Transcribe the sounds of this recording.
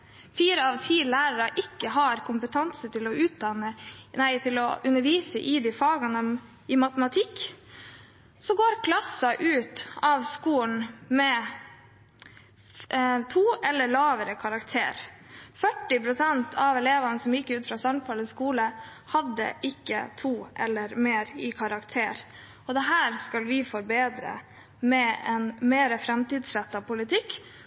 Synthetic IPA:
fiːɾəɑʋt̪ʰiːlæːɾəɾɑʔɪkːəɦɑɾkʰʊmpət̪ʰɑnsət̪ɪlɔʉːt̪̚d̪ɑnːənæɪt̪ʰɪlɔ̰ʔʉnəɾʋiːsəʔɪd̪ifɑːɡɑnəɔm | ɪmɑt̪əmɑt̪ʰɪkː | sɔɡoːɾkʰlɑsːɑʔʉːt̪ɑʋskuːn̩mɛ | t̪ʰuːɛlːəɭɑːʋəɾəkʰɑɾɑkt̪ʰḛːɾfœʈːɪpɾʊsɛnt̪ʰɑʋɛleːʋɑnəsɔmjɪkːʉːt̪fɾɑːsɑnfɑləskuːlə | hɑd̪ːə̰ʔɪkːə̰t̪ʰuːʔɛlːəɾmeːɾɪkʰɑɾɑkt̪ʰeːɾ | ɔd̪ɛɦæːɾskɑlʋɪfɔɾbeːd̪ɾə̰ | mɛɛnmeːɾəfɾɛmt̪iːd̪sɾɛt̪ːɑpʊlɪt̪ʰɪkː

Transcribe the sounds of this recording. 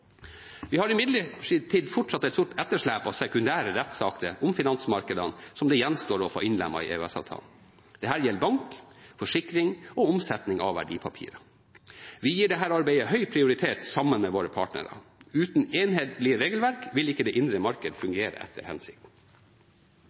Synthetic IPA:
ʋɪhɑɾɪmɪd̪ləʈʰiːd̪fɔʈʂɑt̪ːɛt̪st̪ʊʈɛt̪ːəʂlæːpɑsɛkʉnd̪æːɾəɾɛt̪sɑːkt̪əʔʊmfɪnɑnsmɑɾkəd̪ənsɔmd̪ɛjɛnst̪oːɾɔfo̰ːʔɪnlɛ̰mːɑ̰ɪ̰ʔḛʉɛsɑ̰ʋt̪ʰɑ̰ːln̩ | d̥̪ɛhæːɾjɛlːbɑŋkfɔʂɪkɾɪŋɔʊmsɛt̪nɪŋɑ̰ʋʋæ̰ɖḭːpʰɑpʰḭːɾɑ | ʋɪjiːɖɛɦæːɾɑɾbæɪəhœʏpʰɾɪʊɾɪt̪ʰeːt̪sɑmːənmɛʋoːɾəpʰɑ̰ːʈnə̰ɾɑ̰ʉːt̪n̩eːnɦeːt̪lɪəɾeːɡəl̩ʋæɾkʋɪlɪkːəd̪ɛːʔɪnd̪ɾəmɑɾkəd̪fʉŋɡeːɾə̰ʔɛ̰t̪ʰːə̰ɾhɛ̰nsɪk̚t̪n

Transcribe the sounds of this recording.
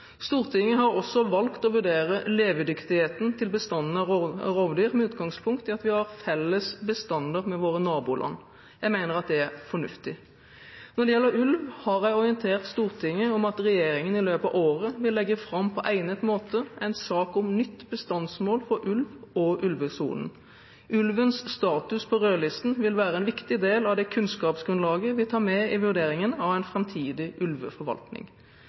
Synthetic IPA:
st̪uːʁt̪ʰɪŋːəɦɑɾɔsːɔʋɑlkt̪ɔʋʉɖeːʁəleːʋəd̪ʏkt̪ɪheːt̪n̩t̪ʰɪlbəst̪ɑnːn̩ʁɔʋd̪iːʁmɛʉːt̪ɡɑŋspʰʊŋkt̪ɪɑt̪ʋɪhɑʁfɛlːəsbəst̪ɑnd̪ɑʁmɛʋoːɾənɑːbuːlʔɑ̰nː | jæɪmæɪnəʁɑt̪̚d̪ɛæʁfɔɳʉ̰ft̪ɪ | nɔɖɛjɛlːəɾʉlʋhɑɾjæɪɔɾɪənt̪ʰeːʁt̪st̪uːʁt̪ʰɪŋːəɔmɑt̪ʁɛjeːɾɪŋənɪløːpɑʋoːɾəʋɪlːɛɡːəfɾɑmpʰɔʔæɪnət̪moːt̪əæɪnsɑːkʊmnʏt̪ːbəst̪ɑnsmoːlfɔɾʔʉlʋɔʔʉlʋəsṵːln̩ | ʔʉlʋənsst̪ɑːt̪ʉspʰɔʁøːlɪst̪n̩ʋɪlʋæːʁəɛɪnʋɪkt̪ɪd̪eːlɑʋd̪ɛkʰʉnskɑːpsɡʁʉnlɑːɡəʋɪlt̪ʰɑːmɛɪʋʉʁd̪eːɾɪŋənɑʋæɪnfʁɛmt̪ʰiːd̪ɪʔʉlʋə̰fɔɾʋɑ̰lt̪nɪ̰ŋ

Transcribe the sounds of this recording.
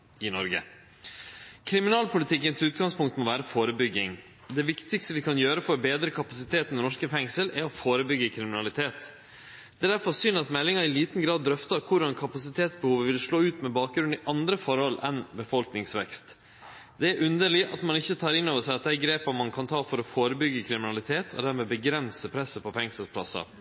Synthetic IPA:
ɪnɔɾɡə̰ | kʰɾɪmɪnɑːlpʰʊlɪt̪ʰɪkːənsʉːt̪̚ɡɑŋspʰʊŋkt̪mɔʋæːɾəfoːɾəbʏɡːɪŋ | d̪ɛʋɪkt̪ɪkst̪əʋɪkʰɑnjøːɾəfɔɾbeːd̪ɾəkʰɑpɑsɪt̪ʰeːt̪nɛnɔʂkəfɛŋsəlɛɾɔfoːɾəbʏɡːəkʰɾɪmɪnɑlɪt̪ʰeːt̪ | d̪̥ɛd̪æɾfɔɾsyːnɑt̪mɛlːɪŋɑɾɪliːt̪n̩ɡɾɑːd̪ːɾœft̪ɑɾkʰʊɾɖɑnkʰɑpɑsɪt̪ʰeːt̪sbəhuːʋəʋɪlʂɭoːʉːt̪mɛbɑːk̚ɡɾʉnd̪ɪʔɑnd̪ɾəfɔɾhɔlɛnbəfɔlknɪŋsʋɛ̰kst̪ | d̪ɛæɾʔʉnd̪əɭɪʔɑt̪mɑnɪçːət̪ʰɑːɾɪnːoːʋəʂæɪɑt̪̚d̪ɛæɡɾeːpɑmɑnkʰɑnt̪ʰɑːfɔɾɔfoːɾəbʏɡːəkʰɾɪmɪnɑlɪt̪ʰeːt̪ʰɔ̰d̪æɾmɛːbəɡɾɛnsəpʰɾɛsəpʰɔfɛŋsəlspʰlɑ̰sɑ̰

